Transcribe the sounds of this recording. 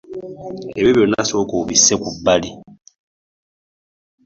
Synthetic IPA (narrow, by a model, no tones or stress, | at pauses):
eβjoβjonːa̰sokuβisːekubːali